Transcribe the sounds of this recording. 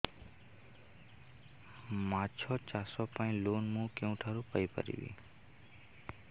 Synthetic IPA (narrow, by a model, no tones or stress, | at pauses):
mãt͡ʃʰɔt͡ʃasɔpãĩlonmũkẽũʈʰaɾũpəjpə̰ɾḭʋḭ̃ː